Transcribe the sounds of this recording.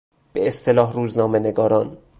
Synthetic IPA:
b̥eest̪ʰe̞lɒːɦɾuːznɒːmeneɡɒːɾɒːn

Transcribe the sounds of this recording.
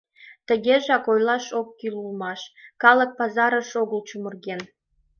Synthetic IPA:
t̪ə̆ɣʲeʒɑkojlˠɑʃokːilulmɑʃkɑlˠɤ̆k̚pɑzɑɾə̆ʃoɣəlt͡ɕumə̆rɣen

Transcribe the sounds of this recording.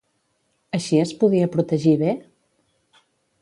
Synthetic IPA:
əʃiəspuðiəpɾut̪əʒiβe

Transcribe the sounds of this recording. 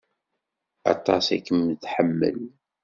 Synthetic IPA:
ɑ̰t̪ˤɑsækːəmtħəmːə̰l

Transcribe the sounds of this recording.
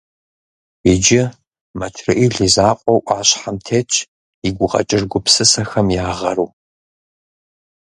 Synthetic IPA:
beːd͡ʒɪ | mɐtʰrɨʔiɮizaːqʷʼɔwʔaːɕħamtʰeːt͡ʃʰʼ | iɡʷʊqʼɐ̰t͡ʃʼɪrɡʷʊpsɨsɐxɐmjaːʁɐɾuː

